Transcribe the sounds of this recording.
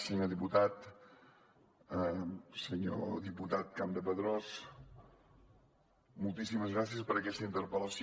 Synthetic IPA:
səɲoðiput̪at̪ | səɲo̰ðiput̪at̪̚kamd̪əpəðɾɔs | mulˠt̪isiməzɣɾas̬iəspəɾəkɛst̪əint̪əɾpələsi

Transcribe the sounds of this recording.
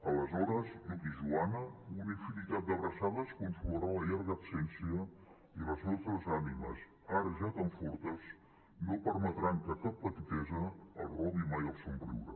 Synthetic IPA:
ələzɔɾəzukiʒuanəunifinit̪at̪̚d̪əβɾəsaðəskunt̪luɾaləʎaɾɣəːpsɛnsiə | iləznot̪ɾəzanimə̰s | aɾəʒat̪əɱfɔɾt̪əz | nopəɾmət̪ɾaŋkəkapːət̪it̪ɛzə̰ːlˠrɔβimajəlˠsumbɾḭwɾə̰

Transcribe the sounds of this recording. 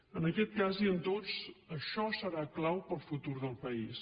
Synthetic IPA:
ənəkɛt̪̚kaziənt̪ot͡səʃɔsəɾaklawpəlˠfut̪uɾðəlˠpəis

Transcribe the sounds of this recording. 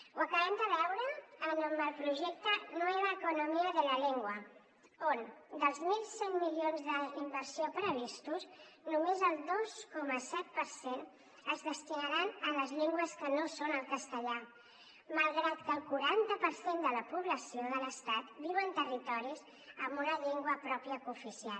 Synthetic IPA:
wəkəβɛmd̪əβɛwɾəːnombəlˠpɾuʒɛk̚t̪ənoeβəːkunumiəðələʎeŋɡwə | ond̪əlˠzmilˠsɛŋmilionzðəimbəɾsiopɾəβ̞ist̪us | numezəlˠd̪oskɔməsɛt̪̚pəɾsen | əzðəst̪inəɾanələzʎeŋɡwəskənosonəlˠkəst̪əʎa | məlˠɣɾat̪kəːlˠkuɾant̪əpəɾsend̪ələpuβ̞ləsioðələst̪at̪biwənt̪ərit̪ɔɾis | əmbunəʎeŋɡwəpɾɔpiəkufisialˠ

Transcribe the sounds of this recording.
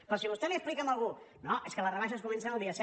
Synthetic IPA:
pɾɔsiβust̪ɛliəsplikəməlˠɣu | noʔeskələrəβ̞aʃəskumɛ̃nsənəlˠd̪iəsɛ

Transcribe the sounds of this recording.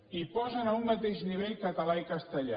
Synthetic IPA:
ipɔzənaumːat̪eʒniβ̞eʎkət̪əlaikəst̪əʎa̰

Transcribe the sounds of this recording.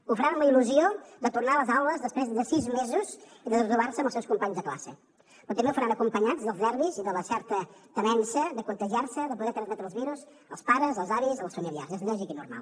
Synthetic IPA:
ufɾanləiluziod̪ət̪urnaləzawləzðəspɾezðəsizmezuziðəðət̪uβarsəməlˠsɛwskumpaɲzðəkla̰sə̰ | pɾɔt̪əmewfəɾanəkumpəɲad͡zðəlˠznɛɾβiziðələsɛɾt̪ət̪əβɛnsəd̪əkunt̪əʒiaɾsəðəpuðɛɾt̪ɾənzmɛt̪ɾəlˠzβiɾuz | ə̰lˠspaɾəzəlˠzaβizəlˠsfəmilˠia̰rzezʎɔʒikinṵrma̰lˠ

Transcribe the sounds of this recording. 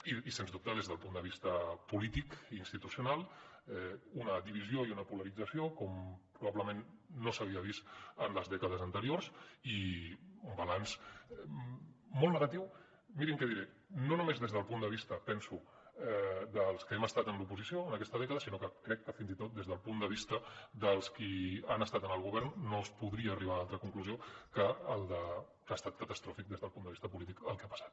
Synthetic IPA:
iisenzðup̚t̪əðezðəlˠpund̪əβ̞ist̪əpulit̪ikːnst̪it̪usjunalˠɛunəðiβizjoiunəpuləɾid͡zəsiokɔmpɾuβaβləmenːosəβ̞iəβist̪ənləzðɛkəðəzənt̪əɾiorsiumbalans | molˠnəɣat̪iw | miɾiŋkɛðiɾɛ | nonumezðezðəlˠpund̪əβist̪əpɛnsu | ɛd̪əlˠskəɛməst̪at̪ənlupuzisioənəkɛst̪əðɛkəðəsinokəkɾɛkːəfinzit̪ot̪̚d̪ezðəlˠpund̪əβ̞ist̪əd̪əlˠskianəst̪at̪ənəlˠɣ̞uβ̞ɛɾnːoəspuðɾiəːriβaunalˠt̪ɾəkuŋkluziokəːlˠd̪ə | kəst̪at̪̚kət̪əst̪ɾɔfik̚d̪ezðəlˠpund̪əβi̥st̪əpulit̪ikəlˠkɛapə̥sḁt̪

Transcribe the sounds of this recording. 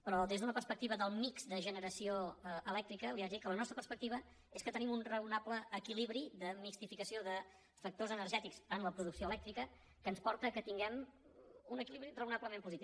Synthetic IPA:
pɾɔðezðunəpərspək̚t̪iβəðəlˠmikzd̪əʒənəɾəsioəʔəlɛk̚t̪ɾikəliazikələnɔst̪ɾəpərspəkt̪iβ̞ə | eskət̪ənimunrəunapləːkiliβɾiðəmikst̪ifikəsioðə | fək̚t̪ozənərʒɛt̪ikzənləpɾuðuksioəlɛkt̪ɾikə | kənspɔɾt̪əkət̪iŋɡɛm | unəkiliβɾirəunapləmempuzit̪i

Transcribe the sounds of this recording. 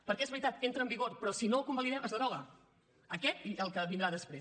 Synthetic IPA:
pəɾkɛezβɾit̪at̪̚kent̪ɾəmbiɣoɾpɾɔsinowkumbəliðɛməzəðɾɔɣə | əkɛt̪iəlˠkəβind̪ɾaðəspɾe

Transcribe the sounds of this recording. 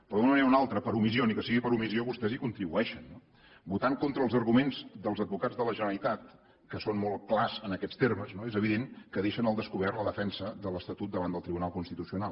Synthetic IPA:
pɾɔðunəməneɾunalˠt̪ɾəpəɾumisionikəsiɣipəɾumizioβust̪ɛzikunt̪ɾiβuɛʃənːo | but̪aŋkont̪ɾəːlˠzərɣumenzðəlˠzəd̪̚bukad͡zðələʒənəlit̪at̪ | kəsonmolˠklazənəkɛt͡sst̪erməznoezəβiðeŋkəðeʃənəlˠd̪əskuβ̞ɛrt̪ləðəfɛnsəðələst̪ət̪ut̪̚d̪əβand̪əlˠt̪ɾiβunalˠkunst̪it̪usiunalˠ

